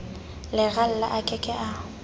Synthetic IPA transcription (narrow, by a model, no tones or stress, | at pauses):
lɪɣal̩la̰ʔakʼɛkʼɛʔa